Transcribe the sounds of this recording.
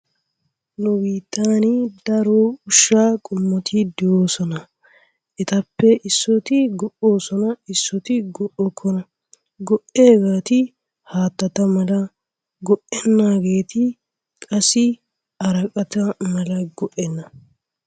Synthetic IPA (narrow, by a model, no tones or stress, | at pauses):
nʊbiːt̪ʰːaːnɪd̪ɐɾoʊʃːaːkʼʊmːɔt̪ʰɪd̪ɪoːsɔnɐ | ʔɛt̪ɐpːɛʔɪsːɔt̪ɪɡɔʔo̞ːsɔnɐɪsːɔt̪ɪɡɔʔɔkʰːɔnɐ | ɡɔʔeːɡaːt̪ɪ | haːt̪ːɐt̪ɐmɐlɐ | ɡɔʔɛnːaːɡe̞ːt̪ɪ | kʼɐsɪ | ɐɾɐkʼɐt̪ɐmɐlɐɡɔʔɛnːɐ